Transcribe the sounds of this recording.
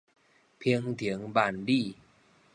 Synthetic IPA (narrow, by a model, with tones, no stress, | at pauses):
pʰi˧əŋt̪ʰi˨˦ŋba˨˩nli˥˩˨